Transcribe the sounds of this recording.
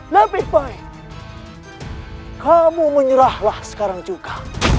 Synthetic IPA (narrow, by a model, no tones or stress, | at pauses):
ləbɪhbai | kʰamuməɲəɾahlahsə̥kaɾaŋd͡ʒuɡa